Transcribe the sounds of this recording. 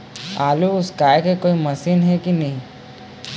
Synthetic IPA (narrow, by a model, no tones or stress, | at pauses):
aːluʊskaːjekekoːimɐsinɦɛkinɐɦĩ